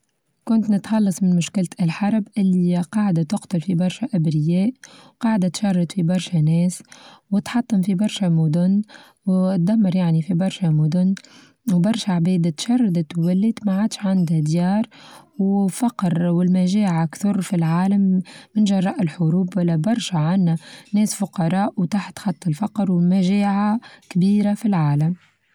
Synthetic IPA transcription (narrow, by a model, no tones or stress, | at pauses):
kʊnt̪nɪt̪xɑlːɑsˤmɪnmʊʃkɪlt̪ɪlħɑɾˤbʔɪlːiqɑːʕd̪at̪ʊqt̪ʊlfibɑɾˤʃaʔabɾɪjɛːʔwqɑːʕd̪at̪ʃɑrˤːɑd̪fibɑɾˤʃanɛːswɪt̪ħɑt̪ˤːɑmfibɑɾˤʃamʊd̪ʊn | wt̪̚d̪amːɑɾˤjaʕnifibɑɾˤʃamʊd̪ʊnː | wbɑɾˤʃaʕbɛːd̪at̪ʃɑrˤːɑd̪t̪wælːit̪maʕaːd̪ʃʕand̪hæd̪jɑːɾˤwfɑqɾwɪlmæʒɛːʕakt̪ʊɾˤfilʕaːlamːɪnʒɑrˤːɑʔɪlħʊɾuːbwɪlːæbɑɾˤʃaʕanːhænɛːsfʊqɑɾˤɑːʔwt̪aħt̪xɑt̪ˤːɪlfɑqɾwɪlmæʒɛːʕakbiːɾafilʕaːlam